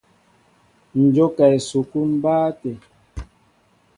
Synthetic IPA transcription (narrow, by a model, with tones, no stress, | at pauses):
n̩˨d͡ʒo˦kɛ˨su˨ku˦m̩˦baː˦te˨